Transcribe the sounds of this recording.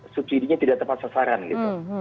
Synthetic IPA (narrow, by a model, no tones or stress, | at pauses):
supsidiɲat̪idaʔt̪əpat̪̚sasaɾanlḭt̪u